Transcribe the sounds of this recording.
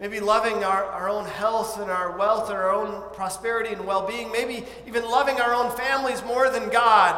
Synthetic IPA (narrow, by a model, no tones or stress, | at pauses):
meɪbilʌvɪ̃ŋaə˞ʔaʊə˞õʊ̃nhɛlˠθɨ̃naʊə˞wɛlˠθə̃nə˞õʊ̃npʰɹ̥ɑspɛɹɨɾiɨ̃nwɛlˠbiɪ̃ŋmeɪbi | ivɨ̃nlʌvɪ̃ŋaʊə˞õʊ̃nfæ̃mlizmɔɹðɨ̃nɡɑd̥̚